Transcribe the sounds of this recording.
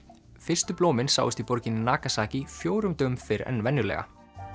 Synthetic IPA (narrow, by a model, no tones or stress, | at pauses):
fɪr̥st̪ʏploːwmɪnsa̰ːwʏst̪ipɔɾcɪnːɪnaːkasaːcifjoːwɾʏmt̪ʏʏmfɪɾɛ̰nvɛnjʏlɛ̰ɣa̰